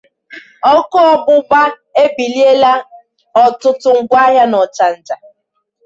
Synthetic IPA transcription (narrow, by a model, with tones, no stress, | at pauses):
ɔ˦kɔ˦ɔ˦bʊ˦ba˦ | e˦bi˨li˦e˦la˦ | ɔ˨tʊ˦tʊ˨ŋ̩˨ɡʷa˦ɦja˦nɔ˨t͡ʃa˨n̩˨ta˨